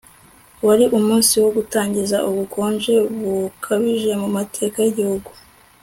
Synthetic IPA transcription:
waɾiʔumuːnsiwo̞ɡutaːɲɟizaʔuβukʰo̞ːnd͡ʒe̞βukʰaβiʒe̞mumatʰe̞ːkajiɟihuɡu

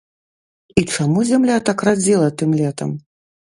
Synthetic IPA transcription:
it͡ʂamuzʲamlʲat̪akrad͡zʲilˠɐt̪ɨmlʲɛt̪ɐ̰m

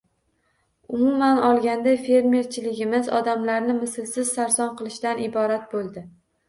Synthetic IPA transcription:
ʊmʊmanɒlˠɡʲand̪ajfe̞ɾme̞ɾt͡ʃʰɪlɪɡʲɪmɪzɒd̪amlaɾnɪmɪsɪlsɪz̥saɾsɒnqɨlˠɪʃt̪anɪbɒɾat̪̚bolˠd̪ɪ

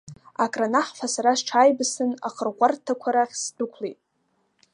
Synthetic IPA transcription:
akʼranaħfasaɾasʈ͡ʂʰaːjbsɨna̰χərʁʷartʰakʷʰaɾaχʲsdʊkʷʰlejtʼ

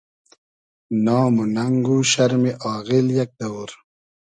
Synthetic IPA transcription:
nɑːmunɐŋɡuɕɐɾmiʔɑːɣiljɐk̚d̪ɐwuɾ

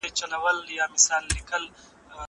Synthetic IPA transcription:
et͡ʃːɐlɐwɐljaːmɪsaːlːɪkɐl

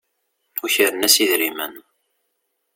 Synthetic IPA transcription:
uçəɾənæsiðɾimə̰n

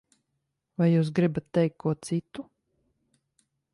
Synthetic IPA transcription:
vajjuːs̬ɡɾibat̪ːɛjk̚kkʰːuɔt̪sit̪u

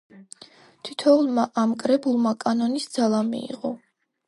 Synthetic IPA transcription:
t̪ʰit̪ʰɔulˠmaʔamkʼɾɛbulˠmakʼanɔnisd̪z̥alˠamḭḭqʼɔ

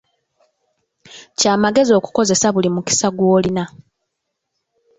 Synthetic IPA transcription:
caːmaɡe̞zio̞ːku̥ko̞ze̞saβulimuki̥saɡwo̞ːlina

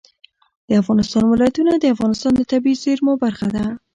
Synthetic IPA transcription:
d̪̥əafɣɑnɪst̪ɑnmɪlɑjat̪unad̪əafɣɑnɪst̪ɑnd̪ət̪abizeɾmobaɾɣad̪a

